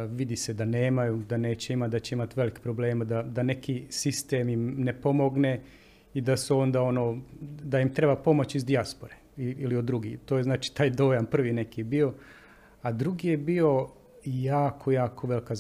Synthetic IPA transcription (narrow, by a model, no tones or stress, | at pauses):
ʋid̪ised̪ane̞ːmajud̪ane̞ːt͡ɕeimad̪at͡ɕeimat̪ʋe̞likpɾoble̞ːmad̪ad̪ane̞kisist̪e̞mimnepo̞mo̞ɡne | id̪asuo̞nd̪ao̞noːd̪ajimt̪ɾe̞bapo̞mo̞t͡ɕizd̪iaspo̞ɾe | iiliod̪ːɾuɡḭt̪oːjeznaːt͡ʃi̥t̪aːjd̪o̞ːjanpr̩ʋine̞kibio̞ | ad̪ɾuɡijebio̞ | jaːkʰojaːkʰo̞ʋe̞likaz